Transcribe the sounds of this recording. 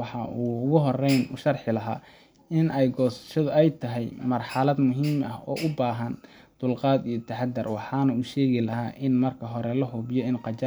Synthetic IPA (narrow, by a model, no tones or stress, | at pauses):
wɑħɑuːʊɣʊɦɔrɛjnʊ̰ʃɐrħɪlɐɦa̰ː | ɪnɛjɡɔːsʃɐðʊɛjt̪ʰɐɦɛjmɐrħɑlɐd̪mʊɦiːmɐ̰hɔ̰ːʔʊbaːɦɐn | d̪̥ʊlqɑːd̪ijɞt̪ʰɐħɑd̪ɐrwɑħɑːnɐuːʃɛːɣɪlɐɦaːʔɪnmɐrkʰɐɦɔɾɛlɐɦʊbjɔɪnqɑt͡ʃa